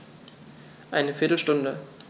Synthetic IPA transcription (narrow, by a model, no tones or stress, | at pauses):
ʔaɪnəfɪɐtl̩ʃtʊndə